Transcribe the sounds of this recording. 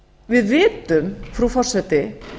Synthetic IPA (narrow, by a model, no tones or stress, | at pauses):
vɪðvɪːt̪ʏmfɾufɔr̥sɛt̪ɪ